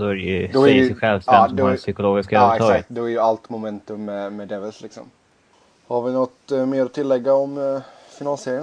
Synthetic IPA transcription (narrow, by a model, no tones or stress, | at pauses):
d̪̥ɔæɾɛjɵd̪ɔæɪɧɛlvst̪ɛndp̪ɔɛsʏkʊloːɡɪskaɑːɡakt̪d̪ɔæɾjəalt̪mʊmɛnt̪ɵmːɛmɛd̪ɛvəlslɪksɔ̰m | haɾvɪnɔt̪meːɾɔt̪ʰɪlːɛɡːaɔm | fɪnaːlseːɾɪən